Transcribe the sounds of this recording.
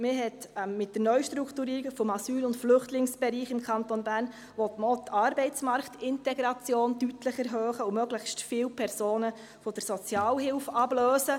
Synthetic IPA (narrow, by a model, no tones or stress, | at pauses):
mɪɦɛtmɪt̚d̥ənœʏʃtɾukʰtuɾiːɾikfɔmɑsyːlʊntflʏχtlɪŋsb̥ɛɾiːχɪmkʰɑntonbæːɾn | ʋɔt̪məɔtːɑːɾbɛɪt͡smɑɾktɪntɛɡɾɑt͡sjoːndytləχɛɾɦøːχəʊmœɡləχstfɪːwpʰɛɾsoːnə | fɔd̥əɾsɔt͡sjɑːlhɪlfɑb̥løːsə